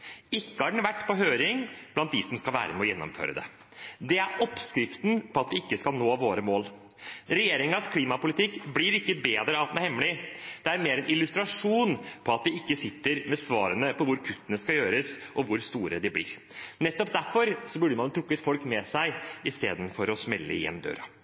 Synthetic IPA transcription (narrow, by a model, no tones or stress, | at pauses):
ɪkːəɑɖɛɳ̩ʋæʈːpʰɔɦøːɾɪŋb̥lɑnt̪̚d̪ɪsɔmskɑlʋæ̰ːɾəmɛɔjɛnːɔ̰mfø̰ːɾəd̪ɛ̰ | d̪ɛæɾɔpskɾɪft̪npʰɔɑt̪d̪ɪɪkːəskɑlnoːʋoːɾəmoːl | ɾɛjeːɾɪŋɑskʰliːmɑpʊlɪt̪ʰɪkːblɪɾɪkːəbeːd̪ɾəɑt̪d̪næɾhɛmːlɪd̪̥ɛæɾmeːɾɛnʔɪlʉst̪ɾɑʂuːnpʰɔɑt̪̚d̪ɪɪkːəsɪt̪ːəɾmɛsʋɑːɾənəpʰɔʋʊɾkʰʉt̪ːənəskɑljøːɾəsʔɔʋʊɾst̪uːɾəd̪ɪblɪ̰ɾ | nɛt̪ːɔpd̪æɾfɔɾsɔbʉɖəmɑnt̪ʰɾʊkːət̪fɔlkmɛsæɪɪst̪ḛːd̪n̩fɔɾɔsmɛlːə̰ɪjɛ̰nd̪ø̰ːɾɑ